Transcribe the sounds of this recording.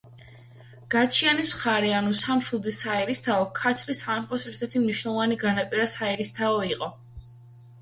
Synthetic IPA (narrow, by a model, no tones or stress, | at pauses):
ɡ̥at͡ʃʰianismχaɾɛanusamʃud̪isaɛɾist̪ʰaɔkʰaɾt̪ʰlisamχɔsɛɾt̪ʰɛɾt̪ʰimniʃwnɛlˠɔvaniɡanapʼiɾasaɛɾist̪ʰaɔiqʼɔ